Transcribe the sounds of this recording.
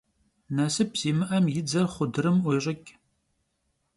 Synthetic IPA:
nɐsɨp̚ʰz̥iːmɨʔɐmjɪd͡zɐrχʷʊdɨɾɨmʷɔɕʼɪkʲʼ

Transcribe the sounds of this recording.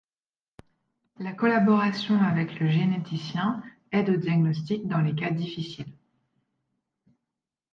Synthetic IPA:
lakɔlabɔʁasjɔ̃avɛkləʒenet̪isjɛ̃ | ɛd̪od̪jaɡnɔst̪ik̚d̪ɑ̃lekad̪ifisil

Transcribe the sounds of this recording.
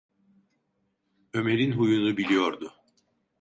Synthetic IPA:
ø̞me̞ɾinɦujunubilʲijo̞ɾd̪ʊ

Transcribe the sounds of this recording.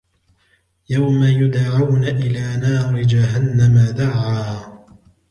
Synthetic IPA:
jawmajʊd̪ʕawnaʔɪlaːnɑːɾɪd͡ʒaɦanːamad̪aʕaː

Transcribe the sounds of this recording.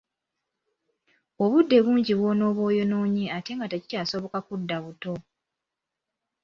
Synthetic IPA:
oβudːe̞βuːɲɟiβwo̞no̞ːβo̞ːjo̞no̞ːɲeate̞ŋɡateci̥caːso̞βo̞kakudːaβuto̞

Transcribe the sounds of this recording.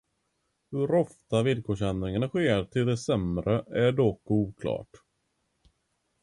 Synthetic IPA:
hɵɾɔft̪avɪlkʰoːʂɛnd̪ɾɪŋanaɧeːɾʈʰɪld̪ɛsɛmɾəæɖɔkuːkʰlɑ̰ːʈ

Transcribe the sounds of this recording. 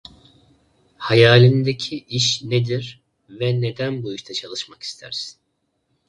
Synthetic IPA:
hajaːlʲind̪ecʰiʔiʃned̪iɾ | vɛne̞d̪ænbuyʃt̪ʰat͡ʃʰalˠɯʃmaki̥st̪ʰæ̰ɾs

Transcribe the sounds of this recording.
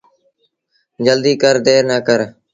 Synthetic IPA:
d͡ʒəld̪iːkəɾd̪eːɾnəːkəɾ

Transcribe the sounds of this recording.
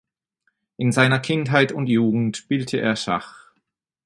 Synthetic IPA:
ʔɪnzaɪnɐkʰɪntɦaɪtʊntjuːɡŋ̩tb̥iltʰəʔḛːɐʃa̰χ

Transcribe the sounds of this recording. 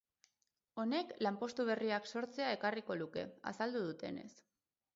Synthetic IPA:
o̞ne̞klampo̞st̪uβ̞e̞riakso̞ɾt͡se̞ae̞kariko̞luke̞̰a̰sald̪uðut̪e̞̰ne̞̰s

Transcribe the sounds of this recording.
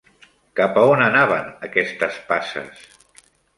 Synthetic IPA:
kapəonənaβənəkɛst̪əspasə̰s

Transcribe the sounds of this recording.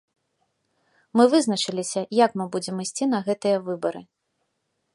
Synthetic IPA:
mɨvɨznɐt͡ʂɨlʲisʲɐjɐkmɨbud͡zʲɛmisʲt͡sʲin̪ɐɣɛt̪ɨjɐvɨbɐɾɨ̰

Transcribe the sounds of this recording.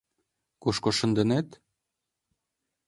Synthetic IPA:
kuʃkoʃə̆nd̪ə̆net̪

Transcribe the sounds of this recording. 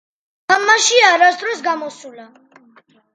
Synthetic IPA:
amːaʃiaɾasd̪ɾɔsɡamɔsula

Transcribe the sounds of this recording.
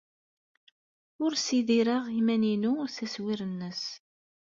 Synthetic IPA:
ʊɾsiðiɾəʁimæninuθæswiɾənːəs

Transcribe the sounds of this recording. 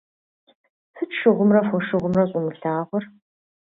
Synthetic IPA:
fɨt͡ʃʃɨʁʷʊmrɐfʷɔʂɨʁʷʊmrɐɕʼʊmɨɬaːʁʷɔr

